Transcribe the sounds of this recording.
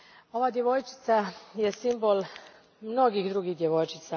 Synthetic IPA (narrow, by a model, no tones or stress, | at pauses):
o̞ʋaːd̪jeʋo̞jt͡ʃi̥t̪sajesimbo̞l | mno̞ɡixd̪ɾuɡixd̪jeʋo̞jt͡ʃi̥t̪sa